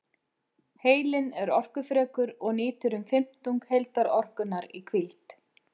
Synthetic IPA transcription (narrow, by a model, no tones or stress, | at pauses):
heːjlɪnɛɾɔr̥kʏfɾɛːkʏɾɔɣnɪːt̪ʏɾʏmfɪm̥t̪uŋkhejlt̪aɾɔr̥kʏnːaɾikʰvɪlt̪